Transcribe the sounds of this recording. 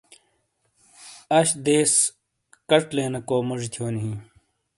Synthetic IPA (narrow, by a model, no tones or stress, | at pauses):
ɐɕd̪eːs | kɐʈleːnɐkoːmɐʐit̪ʰoːniɦĩ